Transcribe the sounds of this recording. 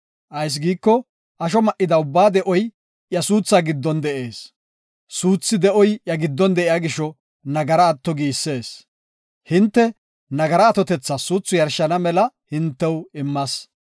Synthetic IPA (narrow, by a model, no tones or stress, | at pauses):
ʔɐjs̬ɡiːkːɔ | ʔɐʃ̬ɔmɐʔɪd̪ɐʊbːaːd̪ɛʔɔj | jɐsuːt͡sːaːɡɪd̪ːɔnd̪ɛʔe̞ːs | suːt͡sːɪd̪ɛʔɔjjɐɡɪd̪ːɔnd̪ɛʔɪjaːɡɪʃɔ | nɐɡɐɾɐːt̪ːɔɡiːsːe̞ːs | hɪnt̪ːɛ | nɐɡɐɾɐːt̪ɔt̪ɛt͡sːɐsuːt͡sːʊjɐɾʃːɐnɐmɛlɐhɪnt̪ːɛwɪmːɐs